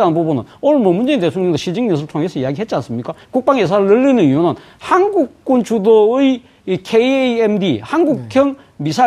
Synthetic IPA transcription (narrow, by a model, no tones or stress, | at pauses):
anɯnpobonɯ̰noɾɯmomund͡ʑeintet̪ʰoŋɲʌŋd̪oɕʰid͡ʑiŋɲisʰɯtʰoŋɦesʰʌijaɡiɦet̚t͡ɕians͈ɯmɲik͈akuk̚p͈aŋjes̬ʰaɾɯɭnɯlːinɯniɦonɯn | hanɡuk̚k͈unt͡ɕʰudoɯi | kʰeemdihanɡukkʰjʌŋ | misʰa